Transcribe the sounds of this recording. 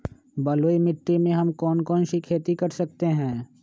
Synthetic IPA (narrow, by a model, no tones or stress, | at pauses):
bɐloːimɪʈːimẽɦɐmkɔːnkɔːnʃikʰeːt̪ikɐɾsɐk̚t̪eɦɛ̃ː